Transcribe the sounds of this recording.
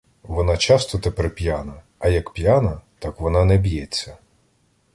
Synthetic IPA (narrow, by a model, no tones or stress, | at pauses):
ʋɔnɑt͡ʃɑst̪ɔt̪epɛɾpʲjanɐː | jɐkpʲjanɐt̪ɑkʋɔnɑnɛbʲjɛt͡sʲːɐ